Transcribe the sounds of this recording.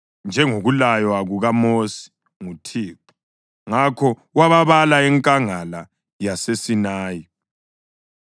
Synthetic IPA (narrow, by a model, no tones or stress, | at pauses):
nd͡ʒʱɛŋoɣulajwaɣuɣamosi̥ | ŋutʰiːǃu̥ | ŋakʰɔwaβaβalaɛŋkʼaŋala | jasesinaːji